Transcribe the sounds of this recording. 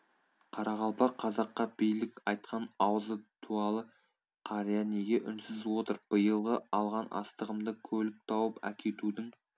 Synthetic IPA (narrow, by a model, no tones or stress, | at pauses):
qʰɑɾʔɑʁɑlˠpɑqʰːɑzɑqːɑbijlɪkɑjt̪̚qʰɑnɑwəzəd̪̥ʰuɑlˠə | qʰɑɾijaneɡʲe̞ʔʏnsɪzwo̞t̪əɾb̥əjəlˠʁəɑlˠʁɑnʔɑ̰st̪əʁəmd̪əkʲʰɵlɪk̚t̪ʰɑwəpæ̰kʲʰe̞t̪ud̪ɪŋ